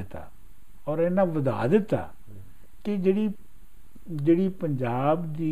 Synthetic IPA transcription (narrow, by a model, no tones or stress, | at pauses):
ɪt̪a̰ː | ɔːɾɛːnãːʋəd̪a̰ːd̪ɪt̪ːa̰ː | kɪd͡ʒeːɽiː | d͡ʒeːɽiːpəɲd͡ʒaːbd̪iː